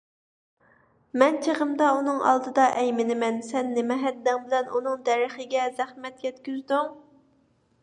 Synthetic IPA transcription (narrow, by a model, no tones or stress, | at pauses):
mɛnt͡ʃʰeʁəmd̪ɑunɨŋɑ̰lˠd̪ɨd̪ɑʔɛjmɪnɪmɛnsɛnːemɛɦɛd̪ːɛŋbɪlɛnunɨŋd̪ɛɾɪχɪɡʲɛzæχmɛt̪jʲɛt̪kʲyzd̪yŋ